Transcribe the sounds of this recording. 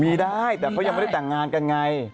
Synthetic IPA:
miː˧daː˥˩jt̪ɛː˨˩kʰa˦˥wjma˦˩˥t̪ɛː˨˩ŋaː˧nka˧nŋa˧j

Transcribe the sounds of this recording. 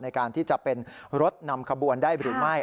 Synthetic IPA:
na˧jkaː˧nt̪ʰiː˥˩t͡ɕa˨˩ʔpe˧nɾo˦˥t̪̚na˧mkʰa˧bu˧əndaː˥˩jɾɯː˩˦ma˥˩j

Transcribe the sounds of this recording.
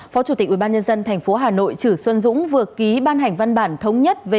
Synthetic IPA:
fɔ˨˦t͡ɕu˧˩t̪i˨˩k̚ʔi˧˩ɓaː˧ɲə˧nzə˧nt̪ʰŋ̟fo˨˦ɦaː˨˩no̰˧˨jt͡ɕɨ˧˩swə˧nzʊ̰˧˥ŋ͡mvɨ˨˩əki˨˦ɓaː˧nɦa˨˩jŋ̟va˧nɓaː˧˩nt̪ʰə˨˦wŋ͡mɲə˦˥t̚ve˨

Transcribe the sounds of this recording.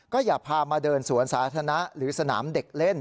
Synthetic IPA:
kɔː˥˩jaː˨˩pʰaː˧maː˧dɤː˧nsu˨˩˦ənsaː˩˦t̪ʰa˧na˦˥ɾɯː˩˦sa˧na̰ː˩˦mde˨˩k̚le˥˩n

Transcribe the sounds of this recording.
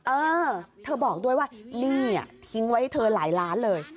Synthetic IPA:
ʔɤː˧t̪ʰɤː˧bɔː˨˩k̚du˥˩əjwaː˥˩niː˥˩a̰˨˩t̪ʰi˦˥ŋwa˧˦˥jt̪ʰɤː˧la̰ː˩˦jlaː˦˥nlɤː˧j

